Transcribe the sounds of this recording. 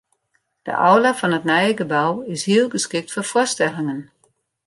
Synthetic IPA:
d̥ə̰ʔɔwlafɔnətnɛjəɡəbawɪshiəlˠɡəskɪk̚tfɔfʊstɛlˠɪŋən

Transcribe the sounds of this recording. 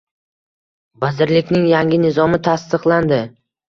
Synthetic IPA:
bazɪɾlɪkʲnɪŋjaŋʲɪnɪzɒmɪt̪ʰast̪ɨqlˠand̪ɪ

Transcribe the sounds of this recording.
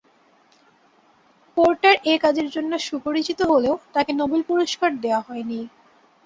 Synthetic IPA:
poɾʈaɾʔekad͡ʑeɾd͡ʑonːoʃupoɾit͡ɕit̪oɦoleot̪akenobelpuɾoʃkaɾd̪eoaɦɔeni

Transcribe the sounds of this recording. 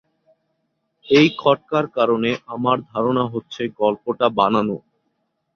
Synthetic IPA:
ejkʰɔʈ̚kaɾkaɾoneʔamaɾd̪ʱaɾonaɦotːɕʰeɡɔlpoʈabanano

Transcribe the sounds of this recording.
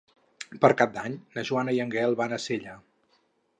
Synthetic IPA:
pəɾkab̚d̪aɲnəʒuanəiəŋɡɛlˠβanəseʎə

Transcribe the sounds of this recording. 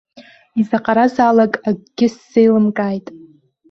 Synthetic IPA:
izaqʼaɾazaːlakʼaɡ̚ɡʲɪsːejlɨmkʼajtʼ

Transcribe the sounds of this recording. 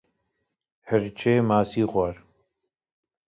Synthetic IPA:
həɾt͡ʃʰeːmaːsiːɣʷaɾ

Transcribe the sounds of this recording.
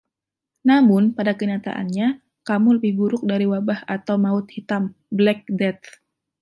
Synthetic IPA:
namʊnpadakəɲat̪a̰ʔa̰nɲa | kamuləbɪhɡuɾʊk̚daɾiwabahat̪awmaʊt̪̚hit̪am | blɛk̚dɛt̪

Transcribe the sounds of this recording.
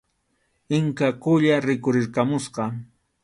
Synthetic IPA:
ɪŋkakʊʎaɾɪkʊɾɪɾkamʊsqɑ

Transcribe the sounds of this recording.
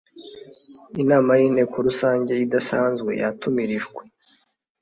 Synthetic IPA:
inaːmajiːnhe̞ːko̞ɾusaːɲɟe̞idasaːnzɡwe̞̰ja̰tumiɾiʒɡwe̞

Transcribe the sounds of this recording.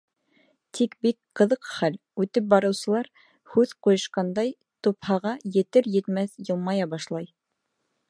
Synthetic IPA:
t̪ʰikbikqɤ̆ðɤqχæl | ʉt̪ɘp̚bɑɾɤ̆wsɤ̆lˠɑɾ | hʉðqujɤ̆ʃqɑnd̪ɑj | t̪uphɑʁɑjɘ̆t̪ɘɾjɘ̆t̪mæθjɤlˠmɑjɑbɑʃlˠɑj

